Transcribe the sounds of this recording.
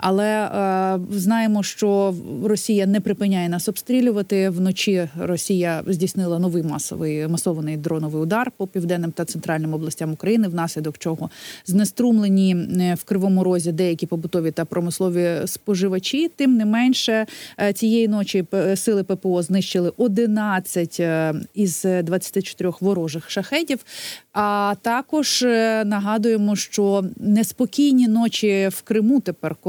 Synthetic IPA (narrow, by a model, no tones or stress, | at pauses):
ɐ̰lˠɛ | znɑjemɔʃt͡ʃɔrɔsʲijɐnɛpɾɪpɪnʲːajɛnɑsɔpst̪ɾʲilʲʊʋɐt̪ɪwnɔt͡ʃirɔsʲijɐzʲdʲisnɪlˠɐnɔʋɪjmɑ̰sɔ̰ʋɪjmɐsɔʋɐnɪjd̪ɾɔnɔʋɨɪjʊd̪ɑrpɔpʲiwd̪ɛnːɪmt̪ɐt̪sɛnt̪ɾɑlʲnɪmɔblˠɐsʲtʲamʊkɾɐjinɪwnɑsʲlʲid̪ɔkt͡ʃɔɦɔznest̪ɾumlˠenʲiwkɾɪʋɔmʊɾɔzʲid̪ɛjɐkʲipɔbʊt̪ɔʋʲit̪ɐpɾɔmɪslˠɔʋʲispɔʒɪʋɐt͡ʃʲit̪ɪmnɛmɛnʲʃɛt͡sʲijejinɔt͡ʃʲisɪlˠɪpɛpɛɔznɪʃt͡ʃɪlˠɪʔɔd̪ɪnɑt͡sʲːɐtʲiz̥d̪ʋɐt͡sʲːɐ̥t̪ɪt͡ʃɔ̥t̪ɪɾʲɔxʋɔɾɔʒɪxʃɐxɛdʲiwɑt̪ɑkɔʒ̥nɐɦɑd̪ʊjemɔʃt͡ʃɔnɛspɔkʲijnʲinɔt͡ʃʲiwkɾɪmut̪epɛrk